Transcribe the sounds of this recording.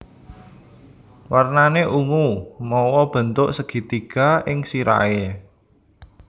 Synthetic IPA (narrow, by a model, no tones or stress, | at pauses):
warnaneʔumumɔwɔb̥ə̤nt̪ʊʔsəɡ̥i̤t̪iɡ̥a̤ʔɪŋsiɾa̰e